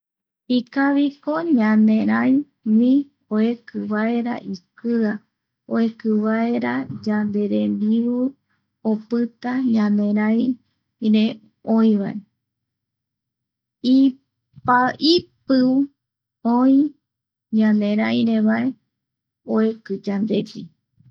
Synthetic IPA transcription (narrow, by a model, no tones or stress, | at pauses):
ikaβikoɲãnẽ̞ɾaj | mĩ | oekɨβae̞ɾa̰ʔikɨa | oekɨβaeɾad͡ʒand̪e̞ɾemd̪iβɨ | opɨt̪aɲãnẽ̞ɾaj | ɾe | õĩβae | i | paʔipɨ | oĩ | ɲãnẽɾajɾeβae | oekɨd͡ʒand̪e̞pi